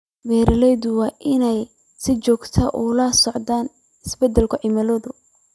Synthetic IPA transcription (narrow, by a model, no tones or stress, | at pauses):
bɛːɾɐlɛjðʊwɑːʔɪnɛj | sɪt͡ʃɔːɡt̪ʰɐʔʊlasɔʕd̪aːn | ɪsbɛd̪ɛlkʰʊʕɪmɐlɔːðʊ